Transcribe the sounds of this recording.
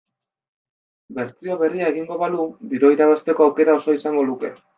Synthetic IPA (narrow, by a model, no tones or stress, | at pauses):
be̞ɾt͡sio̞βe̞riae̞ɣiŋɡo̞βalud̪iɾo̞iɾaβ̞ast̪e̞koawke̞ɾao̞so̞isaŋɡo̞luke̞